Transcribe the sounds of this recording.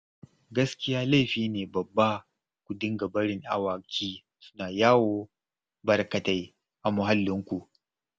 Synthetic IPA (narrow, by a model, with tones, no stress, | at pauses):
ɡɐ˦skʲɪ˦jaː˦la˦jɸiː˦neː˨bɐ˨bːa˦ | kʷu˨dɪ˦ŋɡɐ˨bɐ˦ɽɪ˦˨ŋʔa˨waː˨kʲʰiː˦ | sʊ̥˦naː˨jaː˦woː˦ | bɐ˨rkɐ˨ta˦j | ʔa˨mʊ˨ɦa˦lːɪ˦ŋkʷu˨ʔ